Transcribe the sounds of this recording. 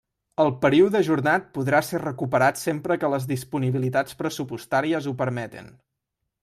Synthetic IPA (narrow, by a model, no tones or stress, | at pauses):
əlˠpəɾiuðəʒuɾnat̪̚puðɾasɛrəkupəɾat̪sempɾəkələzðispuniβilit̪at͡spɾəsupust̪aɾiəzupəɾmɛt̪ḭn